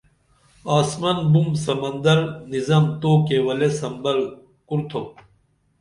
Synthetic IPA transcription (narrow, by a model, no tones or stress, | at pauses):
aːsmɐnbumsɐmɐnd̪ɐɾnizamt̪oːkewɐlesɐmbɐl | kuɾt̪ʰo